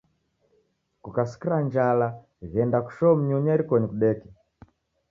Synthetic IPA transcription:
kukasi̥kiɾaɲd͡ʒala | ɣɛndaku̥ʃɔm̩ɲuɲaiɾikɔɲikuɗɛki

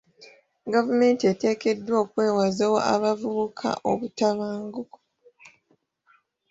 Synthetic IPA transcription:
ɡavume̞ːntiete̞ːke̞dːwo̞ːkwe̞ːwazewoʔa̰βavuβukʰa̰ʔo̞βutaβaːŋɡuko̥

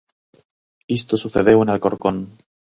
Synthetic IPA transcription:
ist̪osuθeðewenelko̞ɾkon

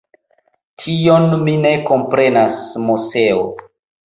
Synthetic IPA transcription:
tʰio̞nmine̞ko̞mpɾe̞nasmuse̞o̰

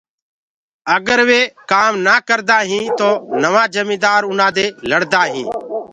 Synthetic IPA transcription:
əɡəɾʋeːkaːmnaːkəɾd̪aːɦĩːt̪oːnəʋãːd͡ʒəmĩːd̪aːɾʊnãːd̪eːləɽd̪aːɦḭ̃ː

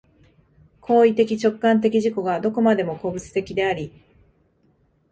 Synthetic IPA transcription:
kʰo̞ːit̪e̞kʲit͡ɕo̞kːãnt̪̬e̞kʲiʑiko̞ɡad̪o̞ko̞mad̪e̞mo̞ko̞bɯ̟t͡sɨ̥t̪e̞kʲid̪e̞aɾʲi

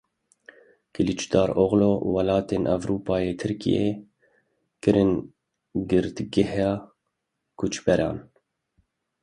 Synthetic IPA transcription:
kɨlit͡ʃd̪ɑːɾoɣloːwɑlɑːt̪eːnʔɛ̰vɾuːpɑːjeːt̪ʰɨɾkḭjḛː | kɨɾɨn | ɡɨɾd̪ɡɪhjɑː | kʰut͡ʃbɛɾʔɑ̰ːn

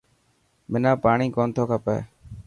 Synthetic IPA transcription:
mɪnãːpaːɳiːkoːnt̪ʰoːkʰaːpɛ̰ː

